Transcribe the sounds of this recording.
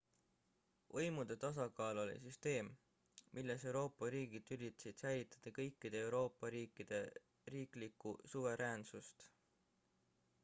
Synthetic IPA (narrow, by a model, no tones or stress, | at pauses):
ʔɤjmud̪̥e̞t̪ɑs̬ɑɡɑːlo̞lḭsyst̪e̞ːm | mʔilːese̞wɾo̞ːpːˑɑɾiːɡ̥id̪ylʲit̪ːˑsid̪̥sæjlit̪ːˑɑ̥d̪̥ɑkɤ̞jkːˑid̪̥e̞ewɾo̞ːpːˑɑɾiːkːˑid̪̥e̞ | riːklikːusuve̞ɾʔeːnsust̪